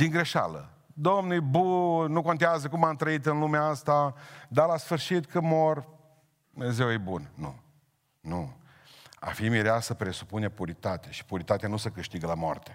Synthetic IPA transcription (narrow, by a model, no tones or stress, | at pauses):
d̪̥iŋɡɾe̞ʃa̰lə̰ | d̪omnujbunuko̞nt̪eazəkumamt̪ɾəit̪ɨnlumeaast̪ad̪alasfɨrʃit̪kəmo̞r | dd̪umezewjejbunnṵ | nu | a̰fimiɾeasəpɾe̞su̥punepuɾit̪at̪eʃi̥puɾit̪at̪eanusəkɨʃt̪iɡəlamoo̰rt̪e̥